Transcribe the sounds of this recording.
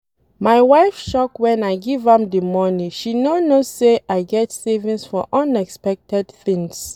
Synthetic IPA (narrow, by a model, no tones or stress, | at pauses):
maɪwaɪfʃɔkwɛ̃naɪɡivãmdəmɔniʃinonosseʔaɪɡɛtsevĩnsfɔʔɔ̃nɛkspɛk̚tɛdθĩŋs